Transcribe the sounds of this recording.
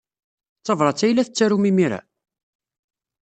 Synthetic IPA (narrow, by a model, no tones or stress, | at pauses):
t͡sːɑvɾˤɑt͡sːæjlæθət͡sːæɾumimiɾæ̰